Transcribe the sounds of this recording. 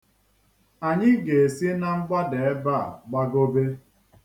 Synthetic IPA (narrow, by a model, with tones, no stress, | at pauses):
a˨ɲɪ˦ɡe˨e˨si˦na˨ŋ͡m̩˦ɡ͡ba˦de˨e˦ba̰˦˨ɡ͡ba˦ɡo˦be˦